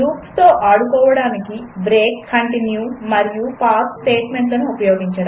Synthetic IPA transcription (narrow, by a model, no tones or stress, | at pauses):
luːpst̪o̞ːʔaːɽukɔːʋɐɽaːnikibɾeːkʰːɐɳʈinjumɐɾijupaːssʈe̞ːʈme̞ɳʈlɐnuupɐjoːɡiɲt͡ʃɐːɽu